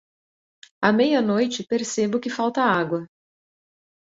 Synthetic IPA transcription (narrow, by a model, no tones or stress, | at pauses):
ɐmejɐnojt͡ʃɪpeɾsebʊkɪfawt̪ɐaɡwɐ